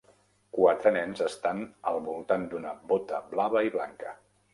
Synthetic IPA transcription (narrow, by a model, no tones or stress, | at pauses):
kwat̪ɾənɛnzəst̪anəlˠβulˠt̪and̪unəbot̪əblaβ̞əiβlaŋkə